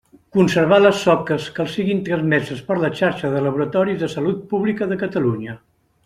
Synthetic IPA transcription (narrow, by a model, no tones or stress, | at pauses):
kunsəɾβaləsːɔkəskəlˠsiɣint̪ɾəzmɛzəspəɾləʃaɾʃəðələβuɾət̪ɔɾizðəsəlut̪̚puβlikəðəkət̪əluɲə